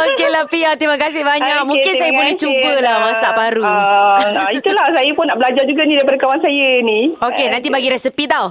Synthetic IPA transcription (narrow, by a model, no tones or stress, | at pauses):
okelahpiat̪imãkasɪhbaɲakmũŋkɪnsajabolɛht͡ʃubəlahmãsaʔbaɾu | ait̪ulahsajəpʊnːaʔbəlad͡ʒard͡ʒuɡanidaɾipadəkawaŋsajəniokenãnt̪ibaɡiɾɛsipit̪aw